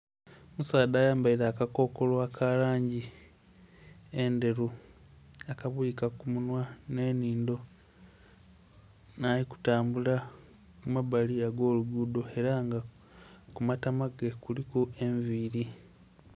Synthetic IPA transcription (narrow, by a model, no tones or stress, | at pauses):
musaːdaːjaːmbaiɾaːkako̞ːko̞lwakʰalaːɲɟi | e̞nde̞ɾu | akaβuikakumunwane̞ːniːndo̞ | naːliku̥taːmbula | kumaβaliaɡo̞ːluɡuːdo̞e̞ɾaŋɡa | kumatamaɡekulikoe̞ɱviːɾi